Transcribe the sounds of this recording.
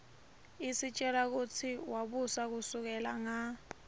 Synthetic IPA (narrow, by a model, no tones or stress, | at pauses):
isit͡ʃʼɛɾak̬ut͡sʰiwaɓusak̬usuk̬ɛlaŋa